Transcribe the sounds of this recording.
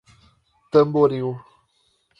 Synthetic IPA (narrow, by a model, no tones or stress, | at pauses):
t̪əmboɾiu